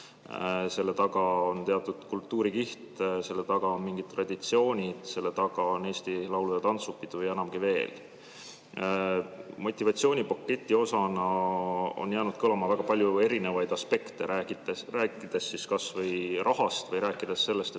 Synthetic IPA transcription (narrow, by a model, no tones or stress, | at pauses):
se̞lːe̞t̪ɑɡ̥ɑont̪e̞ɑt̪ːˑud̪̥kult̪ːuːɾikiht̪se̞lːe̞t̪ɑɡ̥ɑonmiŋɡ̥id̪̚t̪ːrɑd̪̥ʲit̪sio̞ːnʲid̪̥se̞lːet̪ɑɡ̥ɑone̞ːst̪ilɑwluj̪ɑt̪ɑnt̪supːid̪̥ujenɑmɡ̥ive̞ːl | mo̞t̪ʲːˑivɑt̪sio̞ːnʲipokːˑe̞t̪ʲːˑio̞sɑnɑ | o̰njæːnud̪̥̚kɤlɑmɑvæɡ̥ɑpɑlʲjue̞ɾine̞vɑjd̪̥ɑspe̞kt̪e̞æieræːkːˑid̪̥esːiskɑsvɤjrʔɑɦɑst̪vɤjɾæːkːˑid̪̥esːe̞lːe̞st̪e